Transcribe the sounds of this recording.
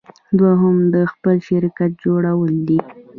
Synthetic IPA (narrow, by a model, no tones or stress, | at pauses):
d̪waɦʊmd̪əxpəlʃɪɾkat̪̚d͡ʒoɽawəld̪i